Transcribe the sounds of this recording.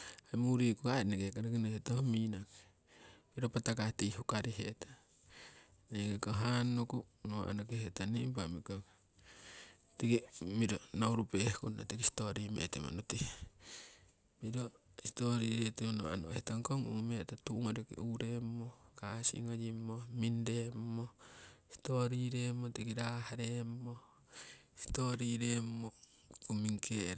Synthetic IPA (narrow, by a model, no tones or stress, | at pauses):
ajmuɾikokaneɡekanekinohetohominake̥ | miɾopatakatihukaɾiɦḛtḁ | neɡekoɦanokunoa̰nokehetanimpamiko | tikimiɾonawɾupehkua̰tikistoɾimḛtḛma̰noti | miɾo | stoɾiɾetemonoa̰nohetaŋkoŋuŋmetatuŋoɾikḭuɾemokasḭŋod͡ʒimomindemːosi̥toɾiɾemotikiɾahaɾemo | si̥toɾiɾemo | kumiŋkʰeɾ